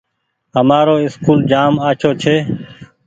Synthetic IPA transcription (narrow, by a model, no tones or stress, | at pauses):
ɦəmaːɾoːɪskuːld͡ʒaːmaːt͡ʃʰoːt͡ʃʰeː